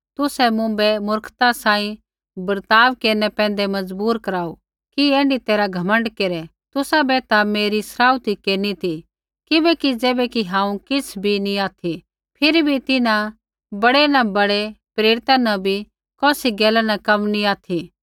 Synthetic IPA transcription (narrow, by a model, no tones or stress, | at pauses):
t̪ʊsɛmʊ̃bɛmʊɾkʰt̪asãːĩ | bɐɾt̪aːʋkeːɾnɛpɛ̃ːnd̪ɛmɐd͡zbuːɾkɐɾaːu | kieːɳɖit̪eːɾaɡʱɐmə̃ɳɖkeːɾɛ | t̪ʊsabɛt̪ameːɾisɾaːut̪ikeːɾnit̪i | kɪbɛkid͡zɛːbɛkiɦãːũkɪt͡sʰbʱinĩaːt̪ʰi | pʰɪɾibʱit̪ɪnã | bɐɽenɐbɐɽepɾeːɾɪt̪anɐbʱi | kɔːsiɡɛːlanɐkɐmnĩaːt̪ʰi